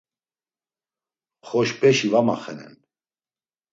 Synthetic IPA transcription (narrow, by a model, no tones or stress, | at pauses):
χɔʃpʼɛʃivamaχɛnɛ̰n